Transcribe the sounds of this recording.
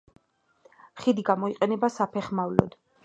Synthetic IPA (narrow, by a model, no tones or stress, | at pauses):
χid̪iɡamɔiqʼɛnɛbasapʰɛχmavlɔ̰d̪̥